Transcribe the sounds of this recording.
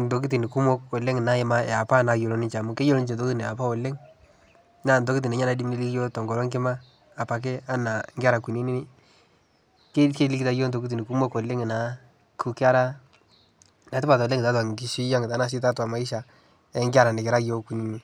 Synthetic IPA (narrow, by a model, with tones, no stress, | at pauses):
n˨to˨k̬i˦ti˨nɪ˨ku˦mo˦ko˨le˦ŋ˨na˨˦ɪ˦ma˦ɛ˨a˨pa˦na˨jo˨lo˦nɪ˦t͡ʃa˨mʊ˦ke˦jo˦lo˦n˦t͡ʃe˨ndo˦ki˦tnɛ˨a˨pa˦o˨le˦ŋ | na˦˨ndo˦ki˦t̬i˨nɛ˨ɲa˦na˨di˦mni˦li˦kjo˦tɔ˨ŋɡɔ˨lɔ˦ŋkɪ˦maː˦˨ | pa˨k̬e˦a˦na˨ŋɡɪ˦a˦ɾa˨ku˨ni˦ni˦nɪ˦ | ke˦ke˦li˦ki˦ta˦jo˦ndo˨ki˦t̬i˨nɪ˨ku˦mo˦ko˨lːe˦ŋ˨na˨˦ | kʰu˦kɪ˦a˦ɾa˦ | na˨tɪ˦pa˨to˨le˦ŋɪ˨ta˦twa˨ŋɡɪ˦ʃi˦ja˦ŋɪ˨ta˨˦na˨s̬ɪ˦ta˦twa˨ma˨˦ɪ˦ʃa˨ | ɛ˦ŋɡɪ˦a˦ɾa˨nɪ˨kɪ˨ɾa˦jo˦ku˨ni˦ni˦